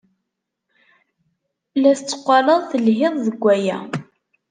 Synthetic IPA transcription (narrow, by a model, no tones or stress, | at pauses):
læθət͡sːə̥qʷːɑlˤəðˤθəlɦɪðˤðəɡʷːæjæ̰